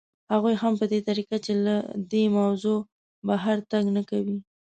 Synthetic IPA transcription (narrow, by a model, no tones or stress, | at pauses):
haɣujɦampəd̪et̪aɾiqat͡ʃelad̪emawzo | baɦaɾt̪aɡnakawi